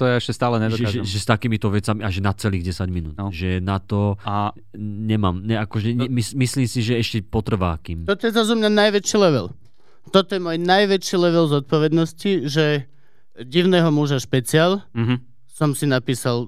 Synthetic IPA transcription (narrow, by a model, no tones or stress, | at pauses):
t̪ɔjɛɛʃcɛst̪aːlɛɲɛd̪ɔʒɛʒɛʒɛst̪akiːmit̪ɔʋɛt͡samiaʒɛnat͡sɛliːɣɟɛsaɟminṵːt̪ʒɛnat̪ɔa | ɲɛmaːmɲɛakɔʒɛɲɛmismisliːmsiʒɛɛʃcɛpɔt̪r̩ʋaːkiːmmt̪ɔt̪ɔjɛzazumɲanajʋɛt͡ʃilɛʋɛ̰l | t̪ɔt̪ɔjɛmɔjnajʋɛt͡ʃilɛʋɛlzɔt̪̚pɔʋɛd̪nɔsciʒɛ | ɟiʊnɛɦɔmuʒaʃpɛt͡sɪalɦ | sɔmsinapiːsal